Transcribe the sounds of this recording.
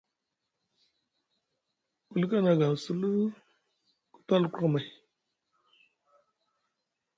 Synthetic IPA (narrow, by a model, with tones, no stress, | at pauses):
ku˨lka˦na˨ɡa˨su˦lu˦ | ku̥˦ta˦lku˦˨ma˨j